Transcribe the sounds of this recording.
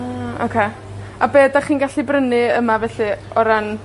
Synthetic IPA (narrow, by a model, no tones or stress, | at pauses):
ao̰kʰe | abeːdaχiːnɡaɬibrənɨəmavɛɬɨɔɾan